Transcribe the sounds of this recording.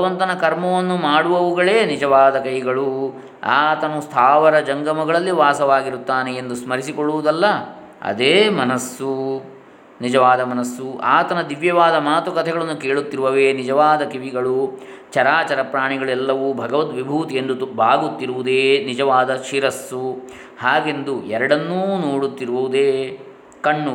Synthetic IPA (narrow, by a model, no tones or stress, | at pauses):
ɐɐʋɐnt̪ɐnɐkɐɾmɐʋɐnːumaːɽuʋɐʋuɡɐɭeːnid͡ʒɐʋaːd̪ɐkɐjɡɐɭu | a̰ːt̪ɐnust̪ʰaːʋɐɾɐd͡ʒɐŋɡɐmɐɡɐɭɐlːiʋaːsɐʋaːɡiɾut̪ːaːneːnd̪usmɐɾisikoɭːuʋud̪ɐlːɐ | ɐ̰d̪eːmɐnɐsːu | nid͡ʒɐʋaːd̪ɐmɐnɐsːuaːt̪ɐnɐd̪iʋjɐʋaːd̪ɐmaːt̪ukɐt̪ʰɛɡɐɭɐnːukeːɭut̪ːiɾuʋɐʋeːnid͡ʒɐʋaːd̪ɐkiʋiɡɐɭut͡ʃɐɾaːt͡ʃɐɾɐpɾaːɳiɡɐɭɛlːɐʋubʱɐɡɐʋɐt̪ʋibʱuːt̪end̪ubʱaːɡut̪ːiɾuʋud̪eːnid͡ʒɐʋaːd̪ɐʃiɾɐsːu | haːɡe̞nd̪uɛɾɐɽɐnːuːnoːɽut̪ːiɾuʋuʋud̪eː | kɐɳːu